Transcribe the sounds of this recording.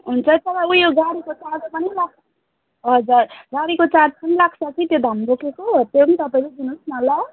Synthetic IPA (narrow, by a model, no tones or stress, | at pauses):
ɦunt͡sʰʌt̪ʌbaujoɡaɽikot͡sad̪pʌnilaɡʌ | ɦʌd͡zʌrɡaɽikot͡sad̪pʌnilaɡsʰʌkʰit̪jod̪ʱambokekot̪jonit̪ʌpaĩled̪ʱinusmʌla